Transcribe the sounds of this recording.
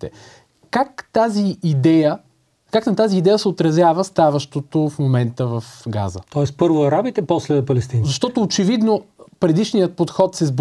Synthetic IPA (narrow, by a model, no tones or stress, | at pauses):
t̪ɛ̰ | kakt̪aziːd̪ɛjə | kaknɐt̪aziːd̪ɛjəsɛot̪ɾɐzjavəst̪avɐʃt̪ot̪ofmomɛnt̪əvɐfɡa̰zə̰t̪ɔɛspɤɾvoɐɾabit̪ɛpɔslɛpɐlɛst̪inzɐʃt̪ɔt̪oːt͡ʃɛvid̪nopɾɛd̪iʃnijət̪̚pot̪xɔt̪sɛzb